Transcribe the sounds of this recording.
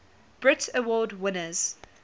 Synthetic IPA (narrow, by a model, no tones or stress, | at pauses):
b̥ɹɪtəwɔːdwɪnəz̥